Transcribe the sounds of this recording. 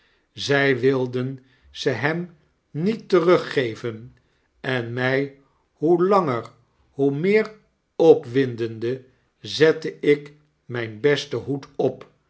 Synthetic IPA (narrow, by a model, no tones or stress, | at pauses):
zɛjʋɪlˠdən | z̥əɦɛm | nitːərɵχejvən | ɛnmɛj | ɦulɑŋəɹ | ɦumɪːɹ | ɔpʋɪndəndə | zɛtəɪk | mɛjnbɛstəɦutɔp